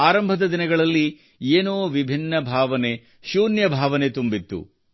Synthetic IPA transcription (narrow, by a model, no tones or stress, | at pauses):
aːɾɐmbʱɐd̪ɐd̪inɐɡɐɭɐlːi | eːnoːʋibʱinːɐbʱaːʋɐne̞ | ʃuːnjɐbʱaːʋɐne̞t̪umbit̪ːṵ